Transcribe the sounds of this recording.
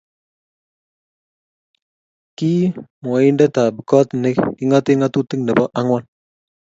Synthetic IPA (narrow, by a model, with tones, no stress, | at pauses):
ki˦mɔ˨ɪ˦ndɛ˦ta˨bi˨kɔ˦tnɪ˦kɪ˦ŋɔ˦tɪ˦ŋa˦tu˦ti˦ŋnɛ˨bɔ˦ʔa˦ŋwɔ˦n